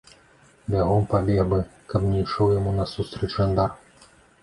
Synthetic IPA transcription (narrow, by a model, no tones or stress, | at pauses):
bʲaɣɔmpabʲɛbɨkɐpnʲɛjʂɔwjamunɐsust̪ɾɛt͡ʃʐɐnd̪ar